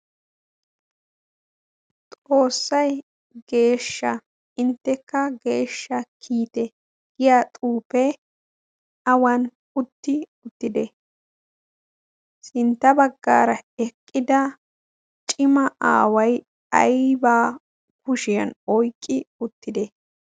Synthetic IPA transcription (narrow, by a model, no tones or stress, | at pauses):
t̪ʼo̞ːsːɐj | ɡ̥e̞ːʃːɐ | ɪnt̪ːɛkːɐɡe̞ːʃːɐkʰiːt̪ɛ | ɡ̥ɪjaːt̪ʼuːpɛ | ɐwɐn | ʊt̪ːɪʊt̪ːɪd̪ɛ | sɪnt̪ːɐbɐɡːa̰ːɾɐɛkʼːɪd̪ɐ | t͡ʃʼɪmɐʔa̰ːwɐj | ɐ̰jbaː | kʊʃɪjɐ̰nɔjkʼːɪʊt̪ːɪd̪ɛ